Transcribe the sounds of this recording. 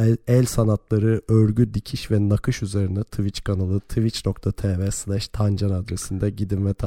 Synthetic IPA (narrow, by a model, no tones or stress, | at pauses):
ɛlʲsanat̪lˠaɾɯøɾɟyd̪icʰiʃvɛnakʰɯʃyze̞ɾinɛt̪ʰɯvit͡ʃkʰanalˠɯt̪ʰɯvit͡ʃno̞k̚t̪ʰat̪ʰevɛslˠæʃt̪ʰand͡ʒanad̪ɾesind̪ɛɟid̪invɛt̪ʰ